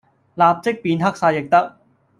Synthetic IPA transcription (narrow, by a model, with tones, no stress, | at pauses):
laː˨p̚t͡sɪ˥k̚piː˧nɦɐ˥k̚saː˧jɪ˨k̚t̪ɐ˥k̚